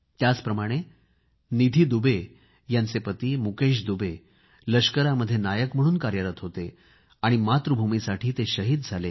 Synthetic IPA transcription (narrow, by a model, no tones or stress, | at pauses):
t̪jat͡spɾəmaɽ̃e | nid̪ʱiːd̪ube | jant͡sepət̪iːmukeɕ̬d̪ube | ləɕkəɾaməd̪ʱːjenajəkm̤əɽ̃uːnkaɾjəɾət̪ɦot̪e | aɽ̃imat̪ɾəbʱumisaʈʰiːt̪eɕəɦiːd̪̚d͡zʱale